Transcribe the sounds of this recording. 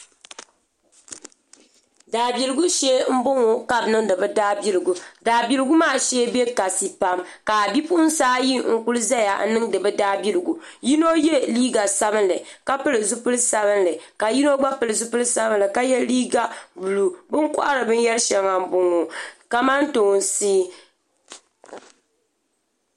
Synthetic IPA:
daː˨bi˨lɨ˨ɡu˦ʃɛ˦m̩˦bʊ˦ŋo˨ka˦bnɨ˦ŋdɨ˨bɨ˦daː˦bi˦lɨ˨ɡu˨daː˨bi˦lɨ˦ɡu˦maː˦˨ʃeː˦bɛ˦ka˨si˦pa˦m | ka˨bi˦pu˦n̩˦saː˦ji˦ŋ̩˦˨ku˦lɨ˦za˦ja˨˦nɨ˦ŋdɨ˨bɨ˦daː˦bi˦lɨ˨ɡu˨ | ji˦no˦jɛ˦liː˦ɡa˨sa˦bɨ˦nlɨ˨ka˦pɨ˦lɨ˨zʊ˦pɨ˦lsa˦bɨ˦nlɨ˨ka˨ji˦no˦ɡ͡ba˦pɨ˨lɨ˨zʊ˦pɨ˦lɨ˦sa˦bɨ˦nlɨ˨ka˦jɛ˦liː˦ɡa˦˨bu˨lu˨bɨ˦ŋkʊ̰˦ʔa˦ɾɨ˨bɨ˦n˦jɛ˦lʃɛ˨ŋa˨m̩˦bʊ˦ŋo˨ka˨ma˦n˦toː˨n˦siː˦

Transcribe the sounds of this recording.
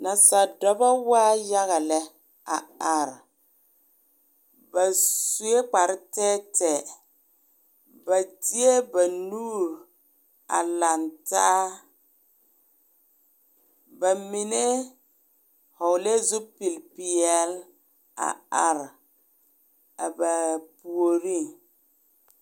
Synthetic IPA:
na˨sa˨dɔ˦ba˦waː˦ja˦ɣa˨lɛ˦ | a̰˨a˨ɾ | ba˨su˦e˦k͡pa˨ɾɪ˦tɛː˦tɛ˨ | ba˨ti˦e˦ba˨nuː˦ɾ | a̰˨la˨ntaː˦ | ba˨mi˨ne˦ | hɔ˨le˦zʊ˦pi˨lpi˨ɛ˦˨l | a̰˨a˨ɾ | a̰˨ba˨pu˨o˨ɾi˦˨

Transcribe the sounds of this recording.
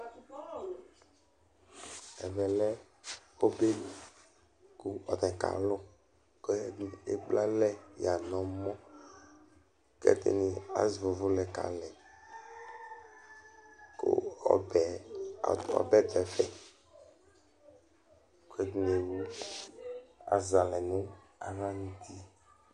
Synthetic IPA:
ɛ̰˨vɛ˨lɛ˦ | o˦be˦˨ | ku˦ɔ˨t̪ɛ̃˨ka̰˨lʊ˦ | kɔ˦˨ḛ˦ɡ͡bla˦lɛ˦ja˨nɔ̃˨mɔ̃˦ | kɛ̰˦t̪ḛ˨ni˨a̰˨zi˨vo˨vʊ˦lɛ˨ka̰˨lɛ˨ | ko̰˦˨bɛ˨ | ɔ̰˨bɛ˦d̪ɛ˨fɛ˦ | ko˦e˦d̪ne˨wu˦ | a̰˨za˨lɛ˨nũ˦ | a˨va˦ɲĩ˦t̪ʰi˦

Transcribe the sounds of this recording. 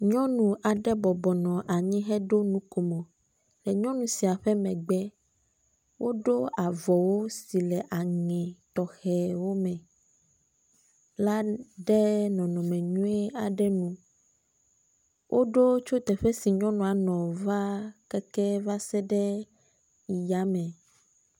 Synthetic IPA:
ɲɔ̃˦nũ˨ʔa˨ɖɛ˦bɔ˨bɔ˨nɔ̃˨ʔa˨ɲĩ˦ɦɛ˦ɖo˦nũ˦ko˨mɔ̃˨ | lɛ˨ɲɔ̃˦nũ˨si˨a˨ɸɛ˦mɛ̃˨ɡ͡bɛ˦ | wʔo˦ɖo˦a˨vɔ˨wo˦si˨lɛ˨ʔa˨ŋɛ̃˨t̪ɔ˨xɛ˨wo˦mɛ̃˨ | la˦ɖɛ˦nɔ̃˨nɔ̃˨mɛ̃˨ɲũ˦e˦a˨ɖɛ˦nũ˦ | wʔo˦ɖo˦t͡ʃo˦t̪ɛ˨ɸɛ˦si˨ɲɔ̃˦nɔ̃˨a˨nɔ̃˨va˦kɛ˦kɛ˦va˦sɛ˦ɖɛ˦ | i˨ja˨˦mɛ̃˨

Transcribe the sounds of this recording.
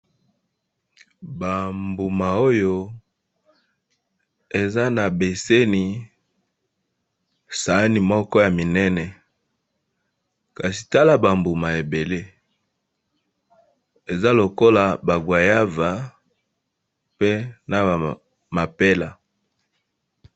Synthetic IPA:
ba˨mbu˨ma˨o˦jo˦ | e˨za˦na˨be˨se˦ni˨ | sa˨˦ni˨mɔ˦kɔ˦ja˨mi˨nɛ˦nɛ˨ | ka˨si̥˨ta˦la˨ba˨mbu˨ma˨e˨be˨le˦ | e˨za˦lo˨ko˦la˨ba˨ɡwa˨ja˦va˨ | pe˦na˨ | ma˨pe˦la˨

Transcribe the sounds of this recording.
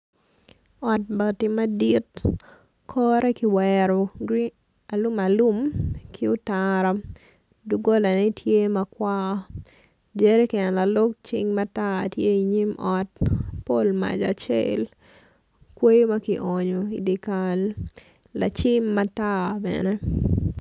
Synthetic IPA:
ɔ˨t̚ba˨tɪ˦ma˦di˦t | kʰɔɾɛ˦kɪ˨wɛɾɔ˨ɡɾi | a˨lu˦ma˨lu˦mkʰɪʊ˦taɾa˦ | duɡo˦la˨ne˦tʰje˦ma˦kwa˦ | d͡ʒeɾe˦kɪ˨ɛ˨nla˨lʊ˦k̚t͡ʃɪ̰ŋmata˦tje˦iɲi˦mʔɔt̚po˦lma̰˨d͡ʒa˨t͡ʃḛ˦l | kwe˦jma˦kɪ˨ʔɔɲoi˨di˨kalː | a̰t͡ʃɪmːa˦ta˦bɛ̰nɛ˦

